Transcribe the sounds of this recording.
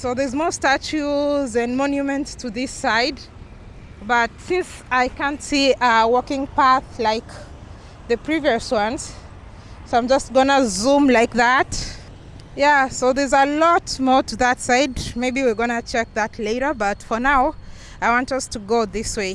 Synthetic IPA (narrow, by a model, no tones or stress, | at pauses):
soʊðə˞zmɔɹstæt͡ʃuzɨ̃nmɔnjumɨ̃ntstʰɨðɪsaɪd̚ | bʌtsɪ̃nsaɪkæ̃ntsiʔʌwɔkɪ̃ŋpæθlaɪk | ðɨpʰɹ̥iviəswʌ̃nz̥ | soãɪ̃md͡ʒʌstɡ̥ʌnəzũmlaɪk̚ðæt | jæsoʊðə˞zəlɔt̚mɔɹtɨðətsaɪdmeɪbiwiɹɡʌnɨt͡ʃʰɛk̚ðɨtʰleɪɾə˞bʌtfə˞naʊ | aɪwɑ̃ntʌstʰɨɡoʊðɪsweɪ